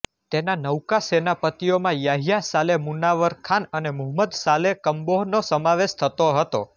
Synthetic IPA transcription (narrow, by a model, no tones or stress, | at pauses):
t̪enanəwkasenapət̪ijomãjaɦijasalemunaʋəɾkʰanənemʊɦməd̪salekəmboɦnosəmaʋeʃt̪ʰət̪oɦət̪o